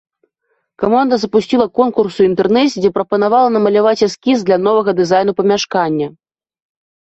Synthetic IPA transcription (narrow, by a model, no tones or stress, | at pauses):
kamand̪ɐzɐpusʲt͡sʲilˠɐkɔnkursuint̪ɛrnɛsʲid͡zʲɛpɾɐpɐnavalˠɐnɐmɐlʲavat͡sʲɛskʲisd̪lʲɐnɔvɐɣɐd̪ɨzajn̪upɐmʲaʂkanʲːɐ